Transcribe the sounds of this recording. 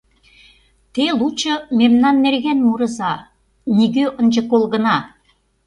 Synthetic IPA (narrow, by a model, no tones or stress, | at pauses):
t̪elut͡ɕɤ̆memnɑnːerɣænmuɾə̆zɑ | niɣøʔə̆nʲd͡ʑə̆kolˠɣə̆nɑ